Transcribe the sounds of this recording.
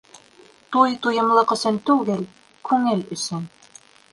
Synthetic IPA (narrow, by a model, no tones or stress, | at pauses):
t̪ujt̪ujɤ̆mlˠɤqɤ̆sɵnt̪ʉɡɘl | kʉŋɘlɵ̆sɘn